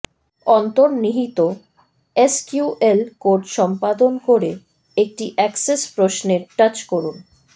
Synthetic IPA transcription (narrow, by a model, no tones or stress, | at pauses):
ɔnt̪oɾniɦit̪o | eskjuʔelkoɾɖʃɔmpad̪onkoɾe | ek̚ʈiʔɛksespɾosneɾʈat͡ɕkoɾun